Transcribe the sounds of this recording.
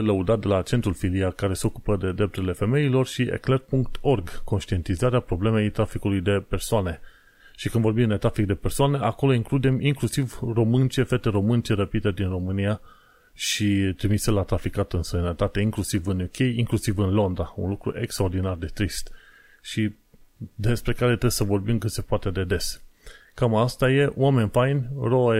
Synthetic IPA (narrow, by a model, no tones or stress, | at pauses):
ləud̪at̪̚d̪e̞lat͡ʃent̪ɾulfiliakaɾe̞seo̞kupəd̪e̞d̪ɾe̞p̚t̪uɾile̞fe̞me̞ilo̞rʃiḛklerpuŋk̚t̪o̞rɡko̞nʃt̪ie̞nt̪izaɾeapɾo̞ble̞me̞jt̪ɾafikulujd̪e̞pe̞rsoane̞ | ʃikɨnd̪vo̞ɾbimd̪e̞t̪ɾafik̚d̪e̞persoane̞ʔako̞lo̞iŋklud̪e̞miŋklusivro̞mɨnt͡ʃe̞fe̞t̪e̞ɾo̞mɨnt͡ʃeɾəpid̪e̞d̪inro̞mɨnia | ʃit̪ɾimiselat̪ɾafikat̪ɨnsənət̪at̪e̞iŋklusivɨnukʰʲe̞jiŋklusivɨnlo̞nd̪ɾaṵnlukɾṵʔe̞kst̪ɾaord̪inard̪e̞t̪ɾist̪ | ʃi | d̪e̞spɾe̞kaɾe̞t̪ɾesəvo̞rbimkɨt̪se̞poat̪e̞d̪e̞d̪e̞skamaast̪aje̞ʔoame̞nʲfajnroe